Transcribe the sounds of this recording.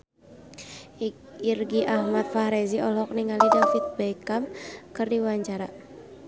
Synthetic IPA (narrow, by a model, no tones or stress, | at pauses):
irɡiʔahmat̪̚fahɾɛziʔɔlɔk̚niŋalidafit̪̚bakamkɨrdiwaɲt͡ʃaɾa